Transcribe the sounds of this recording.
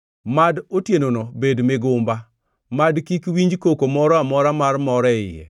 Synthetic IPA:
madotjenonɔbedmɪɡʊmba | madkikwiɲd͡ʒkokomɔɾɔamɔɾamarmɔɾɛɪ̰jɛ̰

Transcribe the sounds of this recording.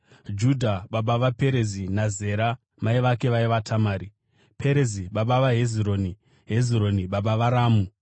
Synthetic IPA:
d͡ʒudʱaɓaɓaʋape̞ɾe̞zinaze̞ɾa | maiʋake̞ʋaiʋatʰamaːɾi | pʰe̞ɾeziɓaɓaʋaɦeziɾo̞ːni | ɦe̞ziɾo̞niɓaɓaʋaɾaːmu

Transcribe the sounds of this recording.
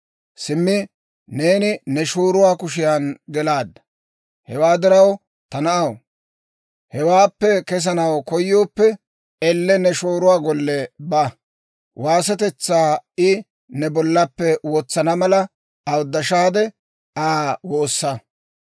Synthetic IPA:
sɪmːɪ | ne̞ːnɪnɛʃoːɾʊwaːkʊʃɪjanɡɛlaːd̪ːɐ̥ | hɛwaːd̪ɪɾɐw | t̪ɐnɐʔɐw | hɛwaːpːɛkɛs̬ɐnɐwkɔjːo̞ːpːɛ | ɛlːɛnɛʃoːɾʊwaːɡɔlːɛbɐ | waːsɐt̪ɛt͡sːaːɪ | nɛbɔlːɐpːɛwɔt͡sːɐnɐmɐlɐ | ɐwʊd̪ːɐʃaːd̪ɛ | aːwoːsːɐ

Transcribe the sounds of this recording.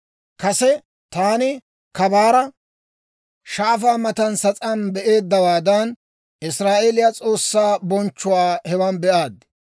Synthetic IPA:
kɐsɛ | t̪aːnɪ | kɐbaːɾɐ | ʃaːfaːmɐt̪ɐnsɐt͡sʼɐnbɛʔe̞ːd̪ːɐwaːd̪ɐn | ʔɪsɾaːʔelɪjat͡sʼo̞ːsːaːbɔnt͡ʃːʊwaːhɛwɐnbɛʔaːd̪

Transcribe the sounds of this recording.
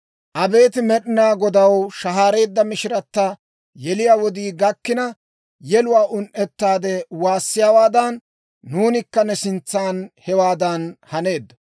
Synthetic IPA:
ʔɐbe̞ːt̪ɪmɛɗɪnaːɡɔd̪ɐwʃɐɦaːɾe̞ːd̪ːɐmɪʃɪɾɐt̪ːɐ | jɛlɪjaːwɔd̪iːɡɐkːɪnɐ | jɛlʊwaːʔʊnʔɛt̪ːaːd̪ɛwaːsːɪjaːwaːd̪ɐnː | uːnɪkːɐnɛsɪnt͡sːaːnhɛwaːd̪ɐnhɐne̞ːd̪ːɐ

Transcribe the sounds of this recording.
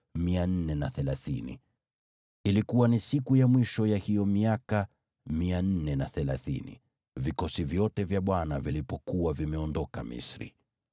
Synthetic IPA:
mian̩nɛnaθɛlaθinḭ | ilikuwanisikujamwiʃɔjahijɔmiaka | mian̩nɛnaθɛlaθinḭ | vikɔsivjɔtɛvjaɓwanavilipɔkuwavimɛɔndɔka̰mḭsɾḭ

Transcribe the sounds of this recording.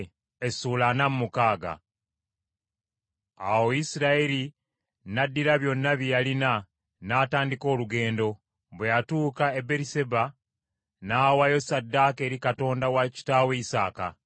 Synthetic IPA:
esuːlanamumukaːɡa̰ | awoisiɾaeɾi | nadːiɾaβjo̞nːaβjijalina | naːtaːndiko̞ːluɡe̞ːndo̞ | βwejatuːkae̞be̞ɾise̞ba | naːwajo̞sadːake̞ːɾikato̞ːndawaci̥taːwe̞isaːka̰

